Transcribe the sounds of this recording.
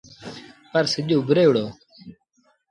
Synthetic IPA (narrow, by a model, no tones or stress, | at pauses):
pəɾsɪʄoːbɾeːɽoː